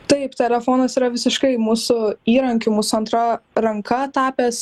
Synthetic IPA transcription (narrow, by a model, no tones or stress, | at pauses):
t̪ɐɪpt̪ʲɛlʲɛfoːnɐsiːɾɐʋʲɪsʲɪʃkɐɪmuːsʊiːɾɐŋʲkʲʊmuːsʊɐnt̪ɾɐɾɐŋkʰɐt̪ɑːpʲɛs